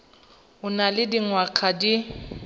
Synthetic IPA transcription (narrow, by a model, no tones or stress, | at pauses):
ʊnalɪdiŋwakʰadi